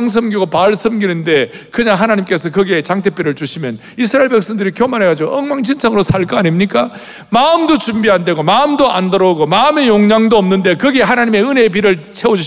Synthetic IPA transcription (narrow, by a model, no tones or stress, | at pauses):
ŋs̬ʰɯmɡiɡopaɭsʰɯmɡinɯnde̞ | kɯɲaŋɦanaɲimk͈e̞sʰʌkɯɡe̞t͡ɕaŋtʰe̞p͈jiɾɯɭt͡ɕuɕʰimjʌn | is̬ʰɯɾaeɭbe̞k̚s͈ʌndɯɾikjomanɦeɡad͡ʑiɡoʌŋmaŋd͡ʑʰinsʰaŋɯɾosʰaɭk͈ʌaɲimɲik͈a | maɯmdot͡ɕumbiɦande̞ɡomaɯmdoʔa̰ndʌɾoɡomame̞joŋɲaŋdoʌmnɯnde̞kɯɡe̞ɦanaɲime̞ɯne̞p̬iɾɯɭt͡ɕʰe̞wod͡ʑuɕ